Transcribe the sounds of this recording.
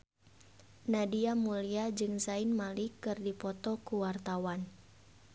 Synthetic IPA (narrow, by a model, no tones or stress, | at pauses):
nadiamuliad͡ʒɨŋsainmalikɨrdipɔt̪ɔkuwart̪awan